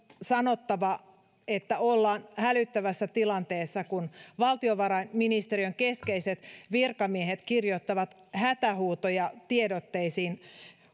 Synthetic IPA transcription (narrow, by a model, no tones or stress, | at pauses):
sɑno̞t̪ːɑʋɑ | et̪ːæolːɑːnhælyt̪ːæʋæsːæt̪ilɑnt̪eːsːɑkunʋɑlt̪ioʋɑɾɑiminist̪eɾiøŋkeskeiset̪ʋirkɑmiehet̪kirjot̪ːɑʋɑt̪ | hæt̪æhuːt̪ojɑt̪iedot̪ːeisiːn